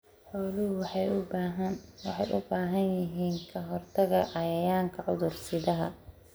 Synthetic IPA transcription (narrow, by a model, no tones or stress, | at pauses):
ħɔːlʊɦʊwħɑj | wɑħɑjʔʊbaːɦɐnjɪɦiːŋkʰɐɦɔrt̪ʰɐɣɐʔɐjɐjaːŋkʰɐʕʊðʊrsɪðɐɦɐ